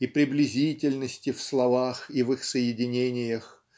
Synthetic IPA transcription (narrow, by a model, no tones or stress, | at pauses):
ipɾʲɪblʲɪzʲitʲɪlʲnəsʲtʲɪfslˠɐvaxivɨxsəjɪdʲɪnʲenʲɪjəx